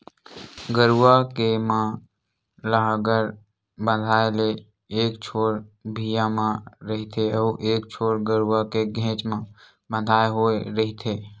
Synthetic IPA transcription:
ɡəɾuʋakemã | ləɦaɡəɾ | bə̃nd̪ʱaːele | eːkt͡ʃʰoːɾbʱijamãɾəɦit̪ʰeɔːʔeːkt͡ʃʰoːɾɡəɾuwakeɡʱɛ̃ːt͡ʃmã | bə̃nd̪ʱaːeɦoːeɾɐɦit̪ʰeː

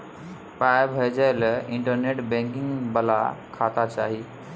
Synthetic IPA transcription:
paːɪbʱeːd͡ʑəɪlɪ̃ɳʈəɾneːʈbɛ̃ːŋkɪ̃ŋɡbɐla̰kʰaːt̪at͡ɕa̰ːɦiː

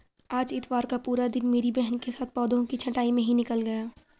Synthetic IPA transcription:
aːd͡ʒɪt̪ʋwaːɾkapuːɾad̪ɪnmeːɾibɛɦənkesaːt̪̚ʰpɔːd̪õkit͡ʃʰɐʈaːimẽɦinɪkəlɡɐjaː

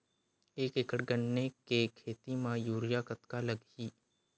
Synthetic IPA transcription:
eːkɪkəɽɡəɳːekekʰeːt̪imãjuːɾɪjakət̪kaləɡiː

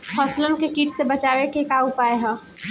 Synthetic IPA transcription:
hɔslənkekiːʈsebət͡ʃawekekaupaeɦɛ̃

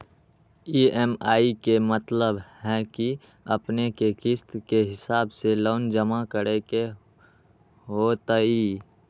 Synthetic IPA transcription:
iːemaːikemət̪ləbhɛki | ɐ̰pnekekɪst̪keɦɪsaːbseloːnd͡ʒəmakəɾeke | ɦot̪əiː

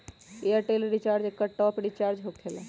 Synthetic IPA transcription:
eəʈeliɾit͡ʃaːɾd͡ʒekːəʈɔpɖit͡ʃaːɾd͡ʒɦokt̪ʰela

